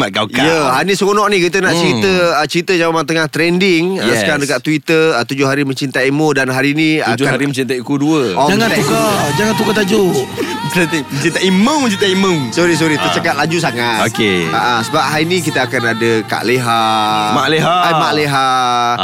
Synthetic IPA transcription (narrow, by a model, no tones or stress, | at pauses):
maɡakajəɦanisəkonɔʔnikit̪̬ənaʔt͡ʃəɾit̪əət͡ʃəɾit̪əd͡ʒawamat̪əŋaht̪ɾɛndɪŋjaəkaɾaŋdəkaʔt̪uit̪əət̪ud͡ʒʊɦaɾimə̃ɲt͡ʃint̪aimodanɦaɾiniad͡ʒʊhaaɾimət͡ʃint̪aikuduəɔd͡ʒaŋanɛukad͡ʒaŋant̪ukat̪ad͡ʒo | t̪imət͡ʃint̪aiməməɲt͡ʃint̪aiməmsɔɾis̬ɔɾit̪ət͡ʃakat̪̚lad͡ʒus̬aŋat̪okea̰ʔasəbap̚ɦainik̬it̪əakanadəka̰ʔleɦamaleɦaamaʔleɦa